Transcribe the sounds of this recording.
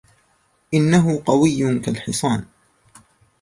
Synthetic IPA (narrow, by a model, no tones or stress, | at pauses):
ʔɪnːaɦʊqɑwɪjːʊkalħɪsˤɑːn